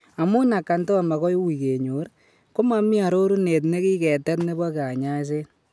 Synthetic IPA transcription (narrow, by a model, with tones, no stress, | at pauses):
a˨mo˦na˨kːa˨nto˦a˨ma˨kɔ˦jwi˨ke˨ɲo˨˦ɾ | ko˦ma˦mi˦a˨ɾo˦ɾu˦ne˨t̬ne˦kiː˦kɛ˨tɛ˦tne˦ba˦ka˨ɲa˦s̬e˦